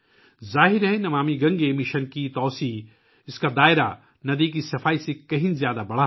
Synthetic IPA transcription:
zaːɦɪɾɦɛnɐmaːmiɡɐ̃ŋɡeːmɪʃənkit̪ɔːsi | ɪskad̪aːɪɾa | nɐd̪ik̬isɐfaːisekɐɦĩnzjaːd̪abɐɽa

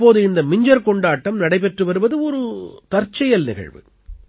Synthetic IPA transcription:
pːoːðɯɪnd̪ɐmɪɲd͡ʒɐɾkɔɳɖaːʈːɐmnɐɽɐɪpɛʈrɯʋɐɾɯʋɐðɯɔɾɯt̪ɐɾt͡ʃːɐjɐlnɪ̰ɣɐ̰ɭʋɯ̰

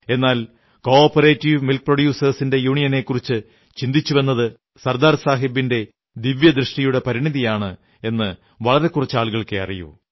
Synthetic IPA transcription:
e̞nːaːl | ko̞ːpːɐreːtːiʋmilk̚proɽjuːsɐrsinde̞juːɳijɐne̞ːkːurit͡ɕːɨ | t͡ɕind̪it͡ɕːuʋɐnːɐðɨ | sɐrd̪aːrsaːɦibːinde̞ | d̪iʋjɐd̪rɨʂʈijuɽe̞pɐɾiɳiðijaːɳɨ | e̞nːɨ | ʋɐɭɐɾe̞kːurit͡ɕːaːɭɣɐɭkɨɐ̰rijṵ

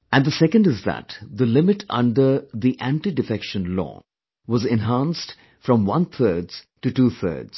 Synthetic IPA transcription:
æ̃nd̪əsɛkə̃nɖɪzðæ̰tðəlɪmɪʈʰʌ̰̃nɳɖəɾðiʔæ̃ɳʈiɖɪfɛkʃə̃nlɔ̰ː | ʋɔzɪ̃nɦãnsʈ | fɾʌ̃mwʌ̃nθʰəːdz̥ | ʈuʈuːθʰə̰ːdz̥

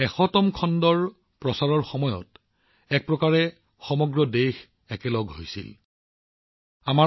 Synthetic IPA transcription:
ɛxɔtɔmkʰɔndɔɹ | pɹɔsaɹɔɹxɔmɔjɔ̰t | ɛk̚pɹɔkaɹɛ | xɔmɔɡɹɔdejx | ɛkɛlɔɡɦojsḭl | ama

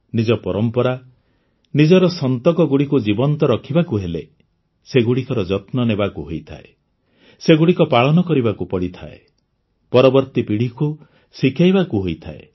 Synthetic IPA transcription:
nid͡ʒɔpɔɾɔmpɔɾa | nid͡ʒɔɾɔsɔnt̪ɔkɔɡuɽikud͡ʒibɔnt̪ɔɾɔkʰibakuɦele | seɡuɽikɔɾɔd͡ʒɔt̪nɔnebakuɦojt̪ʰa̰e | seɡuɽikɔpaɭɔnɔkɔɾibakupɔɽit̪ʰa̰ḛ | pɔɾɔbɔɾt̪ipiɽ̤iku | sikʰajbakuɦojt̪ʰa̰e

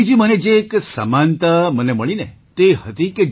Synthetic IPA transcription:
id͡ʒiməned͡ʒeːksə̰mant̪aməneməɭinḛt̪eɦət̪ike

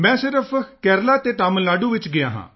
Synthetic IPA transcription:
mɛ̃ːsɪɾəpʰkɛːɾlaːt̪eːʈaːmənlaːɖũːʋɪt͡ʃɡɪã̰ːɦã̰ː

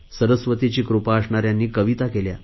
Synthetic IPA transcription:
səɾəsʋət̪it͡ɕiːkɾupaːʂɳaɾjanːiːkəʋit̪akelja̰

